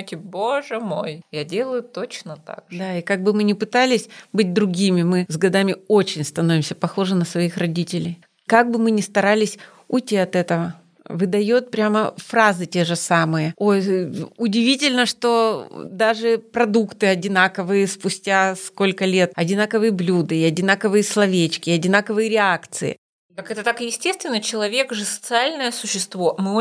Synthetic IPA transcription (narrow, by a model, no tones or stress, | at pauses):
tʲɪboʐɨmojjadʲe̞lˠəjʊt̪ot͡ɕnət̪a̰kd̪aikaɡ̚bɨmɨnʲɪpɨt̪alʲɪsʲbɨt̚ʲd̪ɾʊɡʲimʲɪmɨzɡɐd̪amʲɪo̞t͡ɕɪnʲst̪ɐno̞vʲɪmsʲəpɐxo̞ʐɨnəsvɐixrɐdʲitʲɪlʲɪj | kaɡ̚bɨmɨnʲɪst̪ɐɾalʲɪsʲ | ʊtʲiɐt̪ɛt̪əvə | vɨd̪ɐjot̪̚pɾʲaməfrazɨtʲe̞ʐɨsamɨjəojʊdʲɪvʲitʲɪlʲnəʂt̪o̞d̪aʐɨpɾɐd̪ukt̪ɨɐdʲɪnakəvɨjəspʊsʲtʲasko̞lʲkəlʲe̞t̪̚ɐdʲɪnakəvɨjəblʲud̪ɨːɐdʲɪnakəvɨjəslˠɐvʲet͡ɕkʲɪɐdʲɪnakəvɨjəɾʲɪakt̪sɨ̰ɪ̰ | kakɛt̪ət̪akɨjɪsʲtʲe̞st̪vʲɪnːət͡ɕɪlˠɐvʲe̞kʐɨsə̥t̪sɨalʲnəjəsʊɕːɪst̪vo̞mɨ